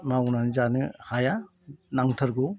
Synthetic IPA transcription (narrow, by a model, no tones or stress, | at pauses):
nawnanzanɯhaja | naŋtʰɐɾɡu